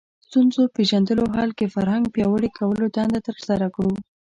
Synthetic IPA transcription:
st̪unzopeʒand̪əloɦɑlkefaɾhaŋɡ̚pjɑwəɽekʰawəlod̪ɑnd̪at̪əɾsaɾakɽu

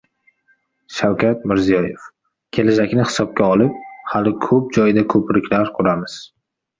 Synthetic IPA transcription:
ʃawkʲat̪̚mɪɾzijɒjef | kʲʰe̞lad͡ʒakʲnɪhɪ̥sɒp̚kʲaɒlˠɪp̚halɪkʰɵp̚d͡ʒɒjd̪akʰɵpɾɪkʲlaɾqʰʊɾamɪz̥

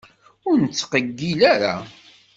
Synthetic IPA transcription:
ʊɾnət͡sːqəɡːilaɾa̰

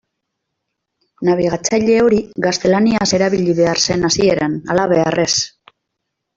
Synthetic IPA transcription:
naβ̞iɣ̞at͡sajʎe̞o̞ɾiɡast̪e̞laniase̞ɾaβ̞iʎiβe̞aɾse̞nasie̞ɾanalaβe̞arʔe̞s

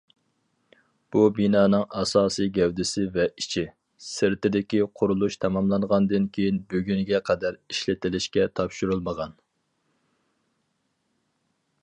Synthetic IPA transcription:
b̥ubinɑːnɨŋɑsɑːsɨjɡʲɛwd̪ɪsɪvɛit͡ʃʰɪ | sɪɾt̪ɪd̪ɪkʲiqʰʊɾulˠuʃt̪ʰɑmɑmlˠɑnʁɑnd̪ɨnkʲʰejinbøɡʲynɡʲɛqʰɛd̪æɾiʃlɪt̪ɪlɪʃkʲɛt̪ʰɑpʃuɾulˠməʁɑn

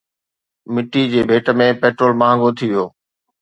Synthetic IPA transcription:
mɪʈːid͡ʑeːbʱeːʈə̆mẽpeːʈɾoːlmãːŋɡʱot̪ʰiʋijoː

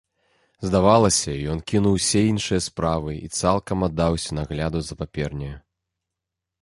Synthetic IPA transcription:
zd̪avalˠɐsʲɐijɔnkʲinuwsʲɛinʂɨjɐspɾavɨḭt̪salˠkɐmad̪ːawsʲɐnaɣlʲad̪uzɐpapʲɛrnʲɛjɐ

